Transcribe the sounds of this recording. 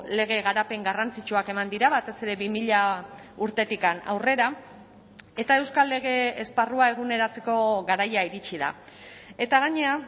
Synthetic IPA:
le̞ɣ̞e̞ɣ̞aɾape̞ŋɡarant͡sit͡ʃuake̞mand̪iɾaβat̪e̞se̞ɾe̞βimiʎauɾt̪e̞t̪ikana̰wre̞ɾa | e̞t̪ae̞wskalːe̞ɣ̞e̞esparuae̞ɣ̞une̞ɾat͡se̞ko̞ɣaɾajaiɾit͡ʃiða̰e̞t̪aɣ̞aɲe̞a

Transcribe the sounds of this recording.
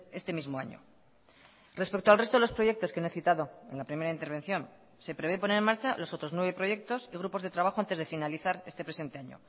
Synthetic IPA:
e̞st̪e̞mizmoa̰ɲo̞̰ | re̞spe̞k̚t̪oalrest̪oelopɾo̞ʝe̞k̚t̪o̞skenoeθit̪aðo̞e̞̰nlapɾime̞ɾaint̪e̞ɾβ̞e̞n̟θjo̞n | se̞pɾe̞βep̬one̞ɾe̞nmaɾt͡ʃalo̞sot̪ɾo̞znweβe̞pɾo̞ʝe̞k̚t̪o̞siɣɾupo̞zðe̞t̪ɾaβ̞axoant̪e̞zðe̞finaliθaɾe̞st̪e̞pɾe̞se̞nt̪e̞aɲo̞̰

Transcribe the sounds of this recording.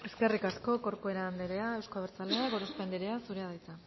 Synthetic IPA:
e̞ske̞rikasko̞ko̞ɾkoe̞ɾaːnd̪eɾeae̞wskoβeɾt͡sale̞aɣo̞ɾospend̪eɾeasuɾe̞að̞ajt͡sa

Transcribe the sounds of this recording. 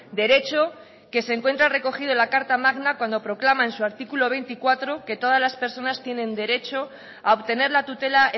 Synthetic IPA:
d̪e̞ɾe̞t͡ʃo̞ | ke̞se̞ŋkwe̞nt̪ɾare̞ko̞xiðolakaɾt̪amaɣnakwand̪o̞pɾo̞klamaensuaɾt̪ikulo̞β̞e̞jnt̪ikwat̪ɾo̞ke̞t̪o̞ðazlaspe̞ɾso̞nast̪je̞nẽ̞nd̪e̞ɾe̞t͡ʃo̞ | aoβt̪e̞neɾlat̪ut̪e̞la

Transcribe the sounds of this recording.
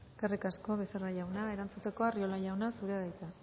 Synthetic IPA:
eskerikasko̞βe̞seraʎawnae̞ɾant͡sut̪e̞ko̞ario̞laʎawnasuɾeðajt̪a

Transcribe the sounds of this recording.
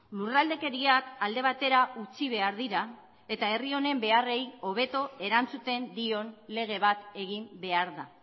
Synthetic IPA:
lurald̪e̞ke̞ɾiakald̪e̞β̞at̪e̞ɾaut͡siβe̞aɾðiɾa | e̞t̪ae̞rio̞ne̞mbe̞are̞jo̞β̞e̞t̪o̞e̞ɾant͡sut̪e̞nd̪io̞nle̞ɣ̞e̞β̞at̪e̞ɣ̞imbe̞aɾða

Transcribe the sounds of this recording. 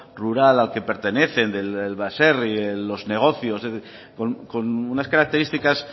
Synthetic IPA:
ruɾalalke̞pe̞ɾt̪e̞ne̞θe̞nd̪elelβaserielo̞zne̞ɣ̞o̞θjosze | konko̞nunaskaɾak̚t̪e̞ɾist̪ikas

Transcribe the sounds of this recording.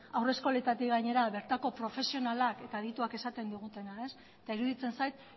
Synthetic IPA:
awre̞sko̞let̪at̪iɣaɲe̞ɾaβe̞ɾt̪ako̞pɾo̞fe̞sio̞nalake̞t̪aːðit̪uake̞sat̪e̞nd̪uɣ̞ut̪e̞nae̞s | et̪aiɾuðit͡se̞nsajt̪̚

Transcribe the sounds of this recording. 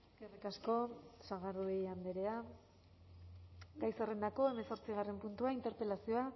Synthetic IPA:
ɡerikasko̞saɣaruejand̪e̞ɾe̞a | ɡajsere̞nd̪ako̞e̞me̞nso̞ɾt͡siɣare̞mpunt̪uaint̪e̞ɾpe̞lasio̞a

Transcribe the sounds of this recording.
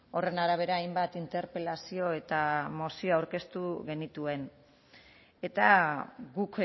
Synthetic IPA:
o̞re̞naɾaβ̞e̞ɾaːjmbat̪int̪e̞ɾpe̞lasio̞e̞t̪amo̞sio̞awɾke̞st̪uɣe̞nit̪ue̞n | e̞t̪aɣuk

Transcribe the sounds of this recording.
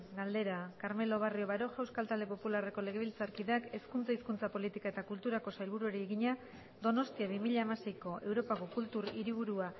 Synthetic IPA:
ɡald̪e̞ɾakaɾme̞lo̞β̞ario̞βaɾo̞ʝawskalt̪ald̪e̞populare̞ko̞le̞ɣ̞e̞β̞ilt͡saɾkiðeake̞skunt͡saiskunt͡sapo̞lit̪ikae̞t̪akult̪uɾako̞sajlβuɾueɾieɣiɲa | d̪o̞no̞st̪iaβimiʎaemasejko̞ʔe̞wɾo̞pako̞kult̪uɾiɾiβ̞uɾua

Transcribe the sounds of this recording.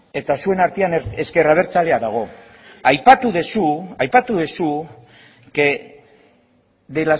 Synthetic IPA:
e̞t̪asue̞naɾt̪iane̞ske̞raβ̞e̞ɾt͡sale̞aðaɣ̞o̞ | ajpat̪uðesuajpat̪uðesu | ke | d̪ela

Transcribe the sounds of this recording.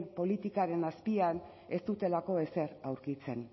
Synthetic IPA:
mpo̞lit̪ikaɾe̞naspian | e̞st̪ut̪e̞lako̞e̞se̞ɾawɾkit͡se̞n

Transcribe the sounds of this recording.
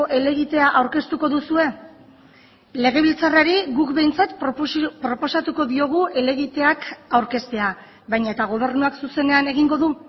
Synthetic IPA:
ʔe̞le̞ɣ̞it̪e̞aʔawɾke̞st̪uko̞ðusue̞ | le̞ɣ̞e̞βilt͡saraɾiɣukbe̞jnt͡sat̪pɾo̞po̞sat̪uko̞ðio̞ɣ̞uʔe̞le̞ɣ̞it̪e̞akawɾke̞st̪e̞a | βajɲaet̪aɣ̞o̞β̞e̞ɾnuaksuse̞ne̞ane̞ɣ̞iŋɡo̞ðu

